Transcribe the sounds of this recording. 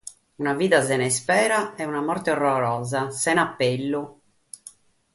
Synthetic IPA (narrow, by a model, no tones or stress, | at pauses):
unaviːðazɛnɛspɛːɾaɛunamɔrt̪eɔrːɔɾɔːzasɛnapːelːu